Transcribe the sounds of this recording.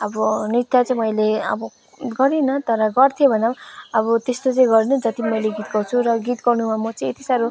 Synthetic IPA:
ʌbʌnit̪jat͡sʌĩmʌjleʌ̰bʌ | ɡʌɾinʌt̪ʌɾʌɡʌrt̪ʰjobʱʌnamʌbʌt̪est̪ot͡sʌ̃j̃ɡʌɾinʌd͡zʌt̪imʌjleɡit̪ɡʌrt͡sʰuɾʌɡit̪ɡʌrnumamʌt͡sʌj̃et̪isaɾu

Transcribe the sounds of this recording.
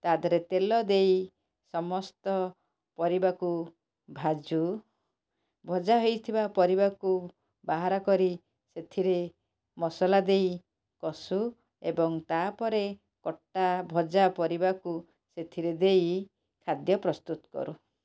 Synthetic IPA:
t̪ad̪ʱɔɾet̪elɔd̪ej | sɔmɔst̪ɔ | pɔɾibaku | bʱad͡ʒu | bʱɔd͡ʒaɦojt̪ʰibapɔɾibaku | baɦaɾɔkɔɾi | set̪ʰiɾe | mɔsɔlad̪ej | kɔsu | ebɔŋt̪apɔɾe | kɔʈːabʱɔd͡ʒapɔɾibaku | set̪ʰiɾed̪ej | kʰad̪jɔpɾɔst̪ut̪ɔ̥kɔ̰ɾu

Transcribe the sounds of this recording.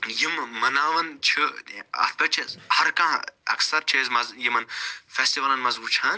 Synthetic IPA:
jimːɐnaːʋɐnt͡ʃʰɨɐ̰t̪̚ʰpɐt͡ʃʰezhɐɾkãɐ̰ksɐɾt͡ʃʰezmɐzjimɐnfeːstiʋɐlɐnmɐzuːt͡ʃʰãːn

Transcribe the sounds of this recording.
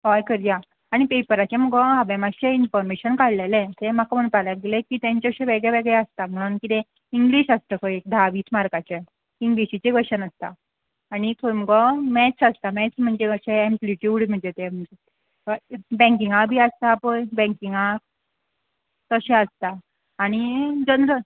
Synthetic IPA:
kɔjkəɾja | aɽ̃ipepəɾat͡ɕẽm̤əɡɔɦaʋɛmaɕeinfɔɾmeɕənkaɽlelɛ̃t̪em̤akam̤əɽ̃palaɡelekiːt̪jãɲt͡ɕaəɕẽʋeɡɭeʋeɡɭɛəst̪am̤əɽ̃uːnkit̪ẽ | iŋɡliːɕəst̪əkojek̚d̪ʱaʋiːt͡smaɾkat͡ɕe | iŋɡliɕit͡ɕeɡəɕənəst̪a̰ː | ñikʰom̤əɡɔmɛt͡səst̪amɛt͡sm̤əɳd͡zeəɕẽẽmpliʈjuːɽm̤əɳd͡zet̪em̤əɳd͡ʑe | bɛ̃ŋk̬iŋabʱiːəst̪aːpəɳbɛ̃ŋkiŋɡa | t̪əɕɛ̃əst̪aː | ɽ̃id͡ʑənɾə

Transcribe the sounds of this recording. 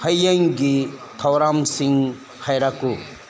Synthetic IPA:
hɐjɐŋɡit̪ʰɐwɾamsiŋ | hajɾaku

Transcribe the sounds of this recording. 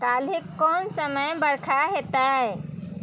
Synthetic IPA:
kalikːɔnsəməjbəɾkʰaɦet̪ae

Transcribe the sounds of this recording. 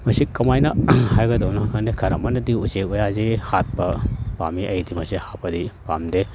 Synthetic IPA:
mɐsikɐmajnɐhajɡɐdɐwnɐkʰandekʰɐɾɐ̰manɐdiusek̚ojazehat̚pɐpa̰miʔɐjdimɐsihapːɐdipamde

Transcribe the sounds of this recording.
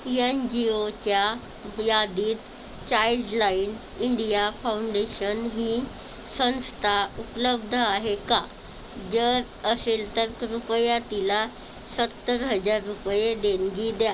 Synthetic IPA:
iend͡ʑiot͡ɕja | jad̪iːt̪ | t͡ɕaiɖlain | iɳɖijafawuɳɖeɕənɦi | sə̃ñst̪ʰaupləb̚d̪ʱəaɦeka | d͡zəɾ | əselt̪əɾkɾupəjat̪ila | sət̪ːəɾɦəd͡zaɾːupjed̪enɡid̪ja

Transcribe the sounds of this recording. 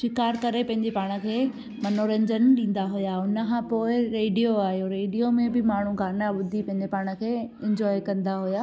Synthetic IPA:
ʃɪkaːɾkɐɾepɐ̃ɦɪ̃ɲd͡ʑepaːɽ̃ə̆kʰeː | mɐnoːɾə̃ɲd͡ʑənɗĩːn̆d̪aɦʊjaʊnə̆kʰãːpoːɪɾeːɖijoaːɦijoɾeːɖijomẽbɪmaːɳ̤ukʰãːnəɓʊd̪ʱipɐ̃ɦɪ̃ɲ̆d͡ʑepaːɽ̃ə̆kʰeːɪ̃ɲd͡ʑɔːjkɐ̃nd̪aɦʊjaː

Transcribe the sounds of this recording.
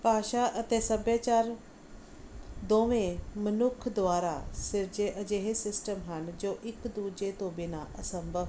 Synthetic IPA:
paːʃaʔət̪eːsɐbjaːt͡ʃaːɾ | d̪oːʋẽmənʊkʰd̪ʋaːɾasɪɾd͡ʒeʔəd͡ʒeɦesɪsʈəmɦənd͡ʒoːʔɪkd̪uːd͡ʒet̪õbɪnaʔɐsə̃mbʱəʋ

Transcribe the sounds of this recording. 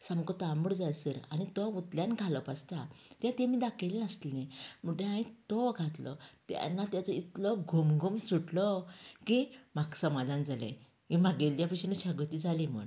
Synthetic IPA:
səmkɔt̪ambəɽd͡zajsəɾa̰ñit̪ɔʋut̪ljanɡʱalɔpast̪at̪jãt̪ẽmiːd̪akʰeleəst̪lẽmuʈẽaĩt̪ɔɡʱat̪lɔ̰t̪ja̰nːat̪jat͡sɔit̪lɔɡʱomɡʱumsuʈlɔkimaksəmad̪ãnd͡zalḛ̃ | ʋĩmaɡeljapəɕinut͡ɕʰaɡət̪id͡zalimə̰ɳ

